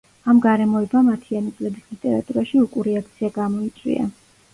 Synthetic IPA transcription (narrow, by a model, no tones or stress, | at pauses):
amɡaɾɛmɔɛbamat̪ʰianit̪sʼlɛbislit̪ʼɛɾa̰t̪ʼuɾaʃiukʼuɾɛakʰt̪sʰiaɡamɔit̪sʼwḭa̰